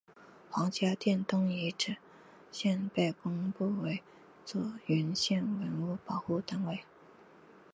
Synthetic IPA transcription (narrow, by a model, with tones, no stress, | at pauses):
xwɑ˧˥ŋt͡ɕja˥t̪jɛ˥˩nt̪ʊ˥ŋi˧˥ʈ͡ʂɻ̩˨˩˦ | ɕjɛ˥˧npe˥˩ɪkʊ˥ŋpu˥˩we˧˥ɪ | t͡swɔ˥˩y˧˥nɕjɛ˥˩nwə˧˥nu˥˩pɑ˨˩ʊxu˥˧t̪a˥nwe˥˩ɪ